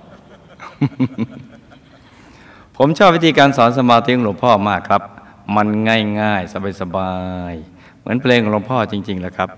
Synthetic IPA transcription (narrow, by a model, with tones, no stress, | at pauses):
pʰo˩˦mt͡ɕʰɔː˥˩p̚wi˦˥t̪ʰiː˧kaː˧nsɔː˩˦nsa˧maː˧t̪i˦˥˧lo˧ŋpʰɔː˥˩maː˥˩kʰːɾa˦˥p̚ | ma˧nŋaː˥˩jŋaː˥˩jsa˧baː˧jsa˧baː˧j | mɯ˩˦ənpʰleː˧ŋʔlo˧mpʰɔː˥˩t͡ɕi˧ŋt͡ɕi˧ŋlɛː˦˩kʰɾa˦˥p̚